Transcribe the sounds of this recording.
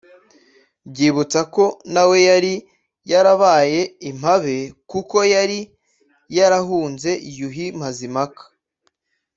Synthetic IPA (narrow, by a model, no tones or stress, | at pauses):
bɟiːβut͡sako̞nawe̞jaɾi | jaɾaβaːje̞im̥haβe̞kuko̞jaɾi | jaɾaɦuːnze̞ʔijuɦim̥azimakḁ